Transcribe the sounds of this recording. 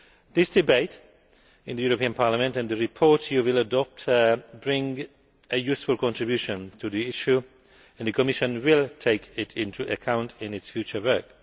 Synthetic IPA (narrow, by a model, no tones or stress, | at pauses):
ðɪsd̥ɨbeɪt | ɪ̃nðɨjuɹəpiə̃npʰɑɹləmɨ̃ntɨ̃nðɨɹɪpʰɔɹtʰjuwɪlˠədɔp̚tʰbɹɪ̃ŋ | ɨjʉsfəlˠkʰɔ̃ntɹ̥ɨbjʉʃə̃ntʰɨðiɪʃu | ɨ̃nðɨkʰəmɪʃə̃nwɪlˠtʰeɪkʰɪtɪ̃ntʰuʔəkʰãʊ̃ntʰɪ̃nɪtsfjʉt͡ʃə˞wɜ˞k̚